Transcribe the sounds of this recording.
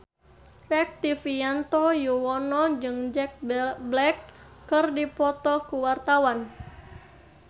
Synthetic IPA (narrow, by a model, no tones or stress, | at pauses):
rɛk̚t̪ifiant̪ɔjuwɔnɔd͡ʒɨŋd͡ʒɛk̚blɛkː | ɨrdipɔt̪ɔkuwart̪awan